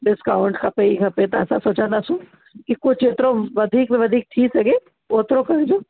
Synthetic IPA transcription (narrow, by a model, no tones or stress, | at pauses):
ɖɪskaːʊɳʈkʰapeikɐpet̪ɐɐsãsoːt͡ʃãnd̪asũ | kikot͡ʃʰeːt̪ɾõʋɐd̪ʱiːkmẽʋɐd̪ʱiːk̚t̪ʰiːsɐɡe | oːt̪ɾokɐɾd͡ʒoː